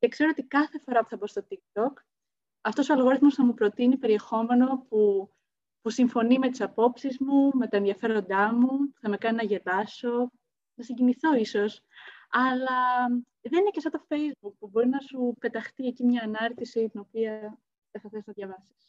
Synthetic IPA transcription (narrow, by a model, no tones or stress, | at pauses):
ce̞kse̞ɾoot̪ikɐθe̞fo̞ɾɐpu̥θɐbost̪ot̪ik̚t̪o̞k | ɐft̪o̞so̞ɐlɣo̞ɾiθmo̞sθɐmupɾo̞t̪inipe̞ɾie̞xo̞me̞no̞pu | pusiɱfo̞nimet̪i̥sɐpo̞psizmume̞t̪ɐenðiɐfe̞ɾo̞nd̪ɐmupu̥θɐme̞kɐninɐʝe̞dɐso̞ | nɐsiɲɟiniθo̞iso̞s | ɐlɐ | ðe̞ninecesot̪o̞fe̞jzbuk̚pubo̞ɾinɐsupe̞t̪ɐxt̪ie̞cimɲɐːnɐɾt̪isit̪ino̞piɐ | ðeθɐθesznɐðʝɐvɐsi̥s